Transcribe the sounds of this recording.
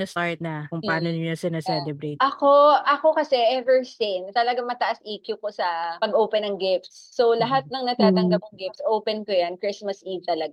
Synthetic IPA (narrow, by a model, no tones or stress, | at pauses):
ɐsaɹt̪̚nɐkʊŋpɐaːnonɪɲosɪnasɛlɛbɾejt̪ʔɐkoʔɐko̞kɐsɛʔɛvɛɹsɪnt̪ɐlɐɡaŋmɐt̪ɐʔɐsʔiːkjuko̞sɐpɐɡʔoːpɛnːɐŋɡɪft̪sːolɐɦat̪̚nɐŋnɐt̪aːt̪ɐŋɡɐp̪̚ɐŋɡɪft̪sʔowpɛnkojankɹɪsmɐsʔivt̪ɐlɐɡa